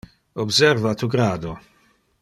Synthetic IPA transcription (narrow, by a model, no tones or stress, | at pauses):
ɔbsɛɾvat̪uɡɾaːd̪o